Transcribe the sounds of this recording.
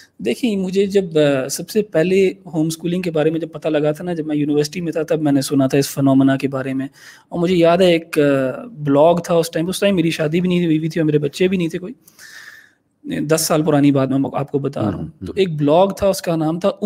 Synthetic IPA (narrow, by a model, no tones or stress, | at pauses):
d̪eːkʰiẽmʊd͡ʒʱed͡ʒɐbsɐbsepɛɦleɦoːmskuːlɪ̃ŋɡkebaːɾemẽd͡ʒɐb̚pɐt̪alɐɡat̪ʰanad͡ʒɐbmɛ̃ːjuːnɪʋəːɾsɪ̥ʈimẽt̪ʰat̪ɐbmɛ̃ːnesʊnat̪ʰaɪsfənɔːmnakebaːɾemẽ | ɔːɾmʊd͡ʒʱejaːd̪ɦɛeːk | blɔːɡt̪ʰaʊsʈaːɪmʊsʈaːĩmeːɾiʃaːd̪ibʱinəɐɦĩt̪ʰiɦiːbit̪ʰiɔːɾmeːɾebɐtːʃebʱinɐɦĩt̪ʰekoːiː | d̪ɐsːaːlpʊɾaːnibaːd̪mɛ̃a̰ːp̚kobɐt̪a̰ːɾɐ̰ɦṵ̃t̪oːeːk̚blɔːɡt̪ʰaʊskanaːmt̪ʰaʔʊ